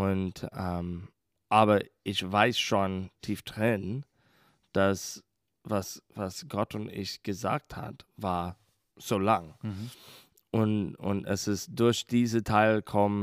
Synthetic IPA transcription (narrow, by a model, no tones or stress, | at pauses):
ʔʊntʔɛm | ʔaːbɐʔɪçv̥aɪsʃoːntʰiːfd̥ʁɪn | d̥as | vasvasɡ̥ɔtʊntɪ̰çɡ̥əza̰ːk̚tha̰tvaːɐ | z̥oːlaŋ | ʔʊnʊ̰ntɛ̰sɪst̚d̥ʊɐçd̥iːzətʰaɪlkʰɔm